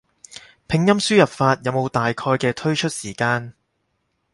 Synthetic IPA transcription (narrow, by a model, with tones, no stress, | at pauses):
pʰɪ˨˧ŋjɐ˥msyː˥jɐ˨p̚faː˧t̚jɐ˨˧wmo˨˧wt̪aː˨jkʰɔː˧jkɛː˧t̪ʰɵ˥ɥt͡ʃʰɵ˥t̚siː˨˩kaː˧n